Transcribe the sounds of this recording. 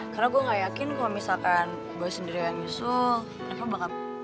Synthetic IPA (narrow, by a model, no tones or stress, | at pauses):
karnaɡuaŋɡajakɪnkalamisalkan | baɛsəndiɾijaŋɲusʊl | napabaŋap̚